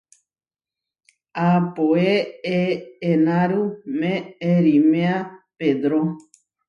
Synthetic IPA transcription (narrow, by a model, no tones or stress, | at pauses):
apoeeːnãɾumẽeɾimẽaped̪ɾo